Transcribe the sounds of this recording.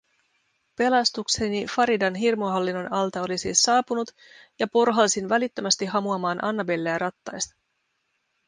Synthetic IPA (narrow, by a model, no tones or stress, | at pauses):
pe̞lɑst̪uksenifɑɾidɑnɦirmoɦɑlːinːo̞nɑlt̪ɑo̞lisiːsːɑːpunut̪ | jɑpo̞rɦɑlːsinʋælit̪ːømæst̪iɦɑmuɑmɑːnʔɑ̰nːɑbelːeæɾɑt̪ːɑjst̪ɑ̥